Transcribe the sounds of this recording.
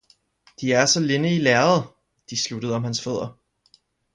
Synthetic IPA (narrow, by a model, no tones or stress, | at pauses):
d̥iæɐsɒ̽le̝nəilɛːɐð̩ˠ | d̥islud̥əð̞̩ˠɒ̽mhænsføð̞̰ˠɐ